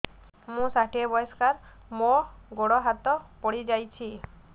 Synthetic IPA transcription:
mũsaʈʰiebɔjɔskaɾ | mɔɡoɽɔɦat̪ɔpɔɽid͡ʒajt͡ʃʰi

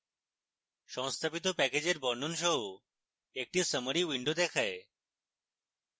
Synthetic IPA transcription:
ʃɔŋst̪ʰapit̪̬opɛked͡ʑeɾbɔɾnonʃɔɦo | ek̚ʈisəməɾiwiɳɖod̪ɛkʰae

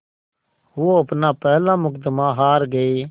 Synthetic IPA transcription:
ɦʊoəpnaːpɛɦlãːmʊkd̪maːɦaːɾɡəeː

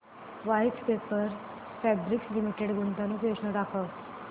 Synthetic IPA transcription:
ʋajtkepəɾ | fɛbɾikslimiʈeɽɡunt̪anũːpjosnəɖakʰəʋ

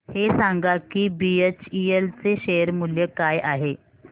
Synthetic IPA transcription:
hesaŋɡakiːbiet͡ɕielt͡seɕejəɾmuljəkajʔaɦe

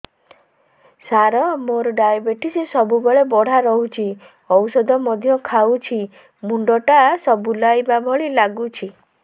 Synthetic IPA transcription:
saɾɔmoɾɔɖajabeʈisesɔbubeɭebɔɽ̤aɾɔɦut͡ʃʰi | ɔwsɔd̪ʱɔmɔd̪ʱjɔkʰawt͡ʃʰi | muɳɖɔʈasɔbulajbabʱɔɭilaɡut͡ʃʰi

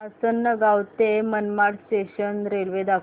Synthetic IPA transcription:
əsənːəɡawt̪emənmaɽsʈeɕənɾelʋed̪a

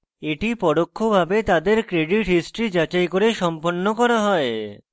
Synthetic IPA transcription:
eʈipɔɽokʰːobʱabet̪ad̪eɾkɾeɖiʈɦisʈɾid͡ʑat͡ɕajkoɾeʃɔmponːokɔɾaɦɔe

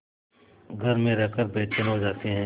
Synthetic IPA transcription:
ɡʱəɾmẽɾɛːkəɾbeːt͡ʃənɦoːd͡ʒaːt̪eɦɛ̃ː

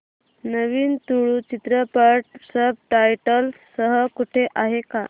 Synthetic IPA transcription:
nəʋiːnt̪uɭuːt͡ɕit̪ɾəpəʈ̚səb̚ʈajʈəlsəɦəkuʈʰeʔaɦeka

